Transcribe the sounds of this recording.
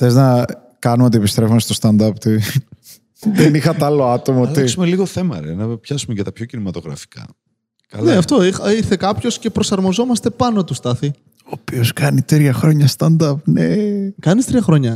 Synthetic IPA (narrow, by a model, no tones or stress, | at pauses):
θeznɐ | kɐnumo̞t̪iepist̪ɾe̞fumest̪o̞st̪ɐnd̪ɐpt̪i | ðenixɐt̪ɐloɐt̪o̞mɐot̪eisumeliɣo̞θe̞mɐ̰ɾḛnɐpçɐsumecɐt̪ɐpçocinimɐt̪o̞ɣɾɐ̰fi̥kɐ̰ | kɐlneɐft̪oixɐiɾθe̞kɐpço̞sce̞pɾo̞sɐɾmo̞zo̞mɐst̪e̞pɐno̞t̪ust̪ɐθi | oːpio̞skɐnit̪ɾiɐxɾo̞ɲɐst̪ɐnd̪ɐp̚nekɐnist̪ɾiɐxɾo̞ɲɐ